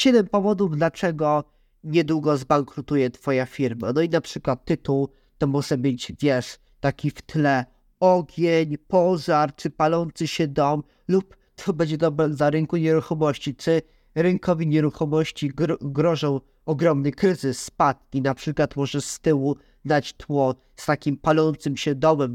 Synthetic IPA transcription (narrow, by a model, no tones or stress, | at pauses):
ɕɛd̪ɛmpɔvɔd̪uvd̪lat͡ʂɛɡɔ | ɲɛd̪wuɡɔzbaŋkɾut̪ujɛt̪fɔjafʲiɾmanɔinapʂɘkwat̪ːɘt̪uw | t̪ɔmuʂɛbɘt͡ɕvʲjɛʂ | t̪akʲift̪lɛ | ɔɡʲeɲpɔʐaɾt͡ʂɘpalɔnt̪sɘɕɛd̪ɔm | lup | t̪ʰɔbɛd͡ʑɛd̪ɔbɾɛzaɾɛŋkuɲɛɾuxɔmɔɕt͡ɕit͡ʂɘ | ɾɛŋkʰɔvʲiɲɛɾuxɔmɔɕt͡ɕiɡɡɾɔʐɔ̃w̃ | ɔɡɾɔmnɘkɾɘzɘsːpad̪̚kʲinapʂɘkwat̪mɔʐɛst̪ɘwu | d̪at͡ɕt̪wɔ | st̪akʲimpalɔnt̪sɘmɕɛd̪ɔmɛm